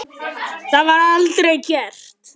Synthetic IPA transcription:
θaðvaɾalt̪ɾɛjcɛr̥t̪

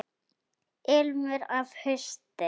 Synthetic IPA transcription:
ɪlmʏɾavhʏst̪ɪ

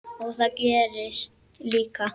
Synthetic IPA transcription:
ɔθakɛːɾɪst̪ | liːka

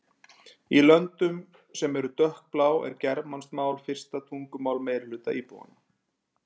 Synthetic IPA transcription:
ilœnt̪ʏm | sɛmɛɾʏt̪œhk̚plaːwɛ̰ɾcɛɾmanst̪maːwlfɪr̥st̪at̪ʰuŋkʏmaːwlmeːjɾlʏːt̪a̰ʔiːpṵwa̰na

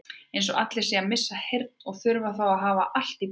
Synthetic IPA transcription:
ejnsɔʔat̪lɛ̥siamɪsːahejɾt̪̚nɔɣθʏɾvaθawaðɦaːvaʔal̥t̪ip

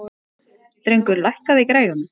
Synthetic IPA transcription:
t̪ɾejŋkʏɾlajhkaðɪikɾaːjɾʏn

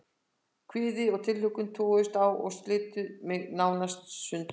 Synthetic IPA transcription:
kʰvɪːðɪɔɣt̪ʰɪlhʏkʏnt̪ʰɔːʏst̪awɔ̰ɣst̪lɪːt̪ʏmɛɣnaːwnast̪sʏnt̪

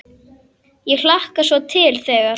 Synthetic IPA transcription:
jɛɣl̥ahkasvɔt̪ʰɪlθɛːɣa

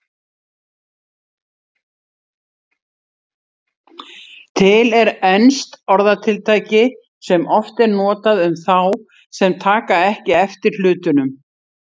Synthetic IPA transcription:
t̪ʰɪlɛɾɛnst̪ɔɾðat̪ʰɪlt̪ʰaːjcɪ | sɛmʔɔft̪ɛɾnɔːt̪aðʏmθaw | sɛmt̪ʰaːkaɛhcɪɛft̪ɪɾ̥lʏːt̪ʏnʏm

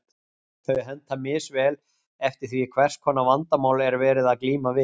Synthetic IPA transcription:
θœɥɦɛnt̪hamɪsvɛːl | ɛft̪ɪɾ̥θvikʰvɛr̥skʰɔːnavant̪amaːwlɛɾvɛːɾɪðaðkliːmavɪ

